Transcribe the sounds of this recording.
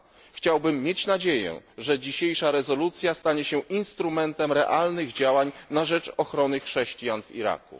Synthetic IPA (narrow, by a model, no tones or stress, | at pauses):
xt͡ɕawbɘmːjet͡ɕnad͡ʑejɛ̰ʐɛd͡ʑiɕejʂaɾɛzɔlut̪sʲjast̪aɲɛɕɛinst̪ɾumɛnt̪ɛmɾɛ̰ʔalnɘɣd͡ʑawaɲnaʐɛt͡ʂɔxɾɔnɘxʂɛɕt͡ɕijanvḭɾa̰kṵ